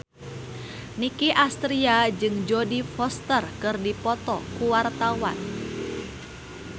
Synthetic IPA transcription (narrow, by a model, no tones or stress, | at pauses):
nikiʔast̪ɾiad͡ʒɨŋd͡ʒɔdifɔst̪ərkɨrdipɔt̪ɔkuwart̪awa̰n